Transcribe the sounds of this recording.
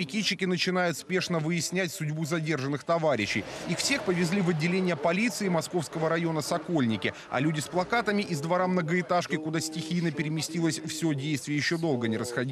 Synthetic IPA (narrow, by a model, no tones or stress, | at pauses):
pʲɪkʲit͡ɕːɪkʲɪnət͡ɕɪn̪ajʊt̪spʲe̞ʂnəvɨɪsʲnʲæt̚ʲsʊdʲbuzɐdʲe̞rʐɨnːɨxt̪ɐvaɾʲɪɕːɪ̰jixfsʲe̞xpəvʲɪzʲlʲivɐdʲːɪlʲenʲɪjəpɐlʲit̪sɨɪmɐsko̞fskəvəɾɐjo̞nəsɐko̞lʲnʲɪkʲɪ | ɐ̰lʲudʲɪsplˠɐkat̪əmʲɪʔɪzd̪vɐɾamnəɡəɪt̪aʂkʲɪkʊd̪asʲtʲɪxʲijnəpʲɪɾʲɪmʲɪsʲtʲilˠəsʲfsʲodʲejst̪vʲɪjəjɪɕːo̞d̪o̞lˠɡənʲɪɾəsxɐdʲi